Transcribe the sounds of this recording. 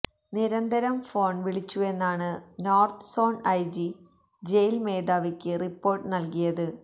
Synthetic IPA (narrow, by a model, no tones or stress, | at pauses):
niɾɐnd̪ʱɐɾɐmfo̞ːɳʋiɭit͡ɕːue̞nːaːɳɨno̞ːrt̪ʰɨ̥so̞ːɳɐjd͡ʑi | d͡ʑejlmeːd̪aːʋikʲːɨripːo̞ːrʈːɨnɐlkijɐðɨ